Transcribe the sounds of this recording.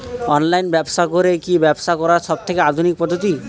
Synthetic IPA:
ɔnlajnbɛbsakoɾekibɛbsakɔɾaʃɔb̚t̪ʰekead̪ʱunik̚pɔd̪ʱːot̪i

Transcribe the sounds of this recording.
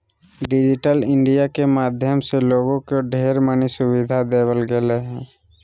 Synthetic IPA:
ɖɪd͡ʒɪʈəlɪ̃ɳɖijakemaːd̪ʱjəmseloːɡõkoɖʱeːɾmənisʊwɪd̪ʱad̪eːwəlɡeleɦɛ̃ː

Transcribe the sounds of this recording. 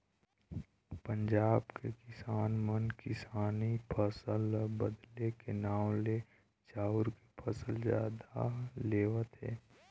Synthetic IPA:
pə̃ɲd͡ʒaːbkekɪsaːnmənkɪsaːnipʰəsəlbəd̪lekenaːw̃le | t͡ʃaːʊɾkepʰəsəlzja̰ːd̪a̰leːʋət̪ɦɛ̰ː

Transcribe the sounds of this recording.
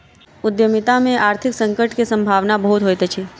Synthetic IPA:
ʊd̪jəmɪt̪amẽʔaːɾt̪ʰɪksə̃ŋkəʈkesə̃mbʱaʋnabəɦut̪ɦojt̪et͡ʃʰe

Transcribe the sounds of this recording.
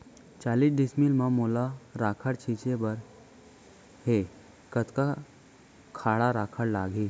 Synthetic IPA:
t͡ɕalisɖismilmãmolaɾakʰəɽt͡ɕʰit͡ɕebəɾ | he | kət̪ka | kʰaɭaɾakʰəɽlaɡʱe

